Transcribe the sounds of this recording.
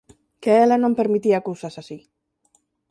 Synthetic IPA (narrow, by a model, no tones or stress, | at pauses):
keelanõmpeɾmit̪iakusasasi